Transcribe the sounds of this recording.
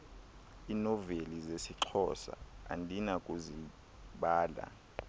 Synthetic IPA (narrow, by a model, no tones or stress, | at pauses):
inɔvelizesiǁʰɔsa̰ːndʱinakʼuzi | ɓaːla̰